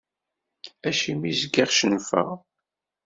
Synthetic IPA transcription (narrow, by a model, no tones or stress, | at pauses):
æʃimizɡiʁʃənfə̰ʁ